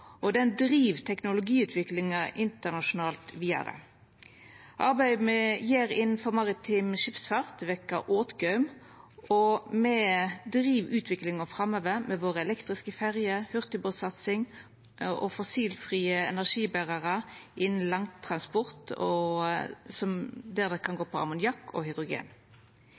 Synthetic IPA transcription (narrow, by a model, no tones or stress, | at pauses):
ʔɔd̪ɛnd̪ʁiːʋt̪ʰɛknʊlʊɡiːʉːt̪ʰʋɪklɪŋɑʔɪnt̪əʁnɑʃʊnɑːlt̪ʋiːə̰ɾə̰ | ʔɑʁbæɪd̪məjeːɾɪnn̩fɔʁmɑʁɪt̪ʰɪmʃɪpsfɑʁt̪ʋɛkːɑʔoːt̪ɡœʉm | ʔɔmɛd̪ʁiːʋʉːt̪ʰʋɪklɪŋɔfʁɑmøːʋəmʔɛʋoːʁəɛlɛkt̪ʁɪskəfæʁjəhʉʁt̪ɪboːt̪sɑt̪sɪŋ | ʔɔfɔsiːlfʁiːəɛ̰næʁʂiːbæʁɑʁəʔɪnn̩lɑŋt̪ʰʁɑnspɔʁt̪ɔ | sɔmd̪ɛʁd̪ɛkʰɑnɡoːpʰɔɑ̰mʊnjɑkːɔ̰hʏd̪ʁʊɡḛːn